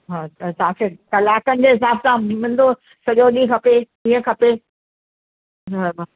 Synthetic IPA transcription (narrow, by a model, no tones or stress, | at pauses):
ɦaːt̪ɐt̪ɐɦãːkʰekɐlaːkənɪ̆d͡ʑeːɦɪsaːbsãmɪ̃mə̃nd̪o | sɐʄoɗĩkʰɐpeɗĩːə̃kʰɐpe | b